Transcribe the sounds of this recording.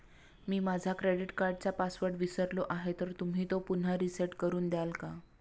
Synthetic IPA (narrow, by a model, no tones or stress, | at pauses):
miːmad͡zʱakɾeɽiʈkaɾɖt͡sapasʋəɾɖʋisəɾloʔaɦet̪əɾt̪um̤ɦiːt̪opun̤aɾiseʈkəɾuːnd̪jalka